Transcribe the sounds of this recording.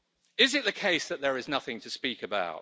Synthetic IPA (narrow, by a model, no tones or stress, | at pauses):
ɪzɪʔðəkʰeɪsðəʔ̚ðəɹɪznʌθɪ̃ŋtʰəspiˑkəba̰ʊt